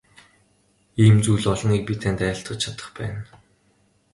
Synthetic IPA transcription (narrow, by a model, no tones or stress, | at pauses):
iːmt͡suːɮɔɮɞ̆ŋik̚pit̪ʰænt̪æːɬt̪ʊ̆t̚t͡ɕʰat̪ə̥̆χpæ̰ːn